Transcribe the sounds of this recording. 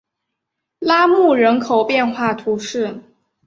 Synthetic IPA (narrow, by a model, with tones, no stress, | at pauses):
la˥mu˥˩ɻə˧˥nkʰo˨˩ʊpjɛ˥˧nxwa˥˩t̪ʰu˧˥ʂɻ̩˥˩